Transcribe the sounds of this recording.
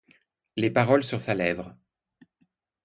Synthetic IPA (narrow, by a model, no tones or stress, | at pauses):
lepaʁɔlsyʁsalɛvʁ